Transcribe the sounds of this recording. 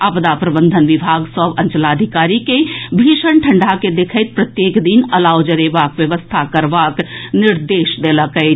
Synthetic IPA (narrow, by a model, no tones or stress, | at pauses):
apd̪apɾəbə̃nd̪ʱənʋɪbʱaːɡsəbə̃nt͡ʃəlaːd̪ʱikaːɾikebʱiːʃəɳʈʰəɳɖʱaked̪ekʰəɪt̪̚pɾət̪jeːkd̪inəlaːwd͡ʒəɾeʋaːkʋjəʋəst̪ʰakəɾʋaːknɪɾd̪eːʃd̪eːləkə